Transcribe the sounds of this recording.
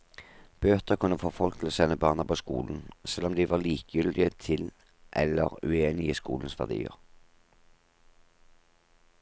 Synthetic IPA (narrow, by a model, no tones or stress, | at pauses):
b̥øːt̪əʁkʰʉnːəfoːfɔlk̪ːsɛnəbɑːʁnəpʰoːskṵːln̩sɛlːɔmd̪iːʋɑʁliːkjʏld̪ɪət̪ʰɪl | ʔɛləʁʉ̰eːnɪəskṵːln̩sʋæ̰ʁd̪ḭːə̰ʁ